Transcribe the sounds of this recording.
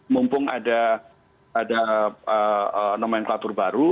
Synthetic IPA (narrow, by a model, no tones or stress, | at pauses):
mumpʊŋa̰da | adaəənamaɲaŋklat̪ʊrbaɾu